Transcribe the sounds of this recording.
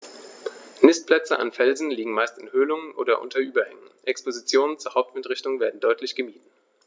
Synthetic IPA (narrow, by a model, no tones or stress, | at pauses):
nɪstpl̥ɛt͡səʔa̰nfɛlzn̩liːɡŋ̩maɪstɪnhøːlʊŋənʔo̰ːdɐʔʊ̰ntʰɐʔyːbɐhɛŋənʔɛkspozit͡sjoːnənt͡suːɐhaʊp̚tmɪtʁɪçtʊŋveːɐdn̩dɔʏtlɪçɡ̥əmiːtn̩